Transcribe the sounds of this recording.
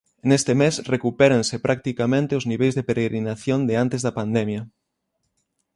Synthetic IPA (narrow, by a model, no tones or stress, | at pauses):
nest̪emesrekupeɾensepɾʔak̚t̪ikamẽnt̪eʊzniβejzðepeɾeɣɾinaθjond̪eant̪ezðɐpand̪emjɐ